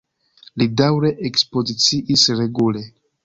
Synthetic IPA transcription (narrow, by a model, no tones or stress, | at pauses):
lidawɾe̞ʔekspo̞zit͡siʔisɾe̞ɡule